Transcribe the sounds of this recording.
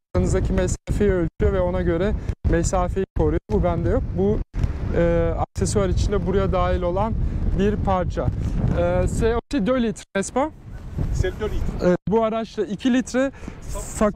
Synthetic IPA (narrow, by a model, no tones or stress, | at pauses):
ɯnɯzd̪acʰimɛsaːfejiølʲt͡ʃ̪ʰyjovɛo̞naɟø̞ɾɛmɛsaːfejikʰo̞ɾujo̞bubænd̪ɛjo̞k̚bu | ɛːaksesovaɾit͡ʃʰind̪ɛbuɾajad̪aːɦilʲo̞lˠanbiɾpʰaɾt͡ʃʰaɯsɛosed̪ølʲit̪ʰɾmɛspa | buaɾat͡ʃlˠaicʰilʲit̪ɾɛfa